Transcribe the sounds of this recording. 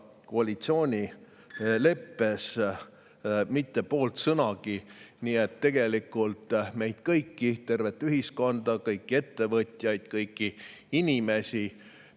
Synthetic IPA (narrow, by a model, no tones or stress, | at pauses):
koɑlit̪sio̞ːnʲi | le̞pːe̞s | mit̪ːe̞po̞ːlt̪sɤnɑɡiniːet̪ːe̞ɡ̥e̞likːˑult̪me̞jd̪̥̚kɤjkːit̪e̞rve̞t̪ːˑyɦisko̞nd̪ɑkɤjkːie̞t̪ːe̞vɤt̪ʲˑjɑjd̪̥̚kɤjkːiinʲime̞si